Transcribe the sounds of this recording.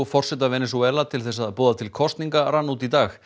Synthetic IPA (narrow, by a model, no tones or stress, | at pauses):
fɔr̥sɛt̪̬avɛːnɛs̬uɛlat̪ʰɪlθɛs̬aðapɔːðat̪ʰɪlkʰɔst̪niŋkaɾanːut̪it̪aːx